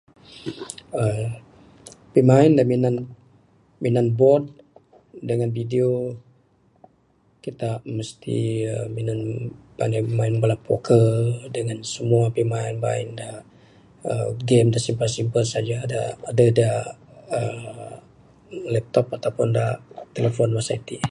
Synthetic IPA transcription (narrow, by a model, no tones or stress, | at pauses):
ə | pimaɪndaminan | minanbɔt̚ | dəŋanvideo | kit̪aməst̪ḭəminanba̰namaɪnbalapo̰kʰədəŋansəmuapimaɪnba̰ɪ̰nda | əɡɛmdasimpəlsimpəlsad͡ʒaːda̰ːdadaə | lɛp̚t̪ɔpat̪awpʊndat̪eləfɔnwasait̪i